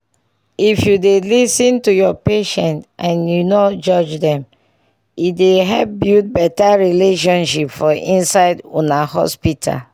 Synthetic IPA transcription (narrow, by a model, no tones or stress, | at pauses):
ifjudelisĩntujɔpeʃɛ̃ntʔãnjunɔtd͡ʒɔd͡ʒdɛ̃m | ideɦɛp̚bjut̚bɛtaɹileʃɔ̃nʃipfɔʔĩnsaɪdonahɔ̰spitʰa̰l